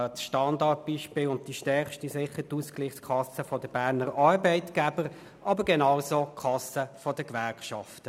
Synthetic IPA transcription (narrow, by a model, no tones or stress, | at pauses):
tsʃtɑndɑt̚b̥iːʃpɪːlʊnt̚d̥iʃtɛʁχʃtisɪχːətuskliːχskʰɑsəfɔdəb̥æːʁnəɾɑːɾbɛɪtɡ̥æbəɾ | ʔɑbəɾɡɛnɑwsoːkʰɑsəfɔdəkʋæɾkʃɑftə